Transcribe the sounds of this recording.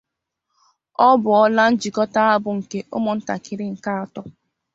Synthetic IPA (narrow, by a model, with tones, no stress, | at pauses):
ɔ˦bʊ˨ɔ˦la˦n̩˦d͡ʒi˨kɔ˦ta˦a˦bʊ˨ŋ̩˨ke˦ʔʊ̰˦mʊ˨n̩˦ta̰˨kɪ˨ɾɪ˦ŋ̩˨ka˦a˨tɔ˦